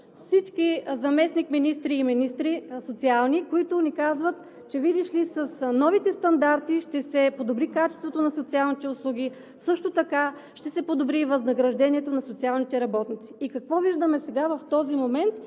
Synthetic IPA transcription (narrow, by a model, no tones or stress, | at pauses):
fsit͡ʃkizɐmɛsnikminist̪ɾiːminist̪ɾisot̪sialˠnikoit̪ʊnikazvət̪ | t͡ʃɛvid̪iʃlisɐsnɔvit̪ɛst̪ɐnd̪aɾt̪iʃt̪ɛsɛpod̪obɾikat͡ʃɛ̥st̪vot̪onɐsot̪sialˠnit̪ɛʊslˠuɡ̟ʲi | sɤʃt̪ot̪ɐkaʃt̪ɛsɛpod̪obɾivɐznɐɡɾɐʒd̪ɛniɛt̪onɐsot̪sialˠnit̪ɛɾɐbɔt̪nit̪si̥ːkɐkvɔviʒd̪əmɛsɛɡavɐft̪ɔzimomɛnt̪